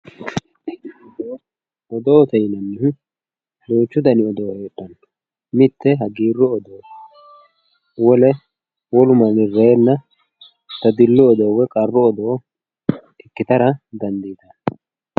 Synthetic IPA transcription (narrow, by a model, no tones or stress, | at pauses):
ɔd̪oːt̪ɛjɪnɐnːɪhʊ | d̪oːt͡ʃːʊd̪ɐnɪɔd̪oːheːtːɐn | mɪt̪ːɛɦɐɡiːrːɔːd̪oː | wɔlɛ | wɔlʊmɐnɪrɛjɛnːɐ | t̪ɐd̪ɪlːɔːd̪ɔwɛkʼɐrːɔːd̪ɔ | ɪkːɪt̪ɐɾɐd̪ɐnd̪iːd̪ɐ